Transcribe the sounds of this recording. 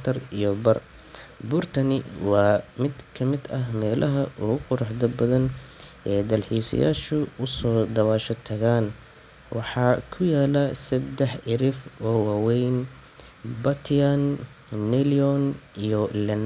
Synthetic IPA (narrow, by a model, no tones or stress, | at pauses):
t̪ʰɐrijɔbɐr | bʊrt̪ʰɐnɪwɑːmɪd̪kʰɐmɪd̪ɐɦmɛːlʔɐɦɐʔʊɣʊqʊɾɑħðɐbɐðɐnʔɛːd̪ɐlħiːsɐ̰ja̰ːʃʊʊsɔːd̪ɐwaːʃɔt̪ʰɐɣaːn | wʔɑħɑːkʰʊjaːlɐsɐd̪ɛħɪɾɪfɔːwɑːwɛjn | bɐt̪ʰanː | ɛliɔnijɔlɐn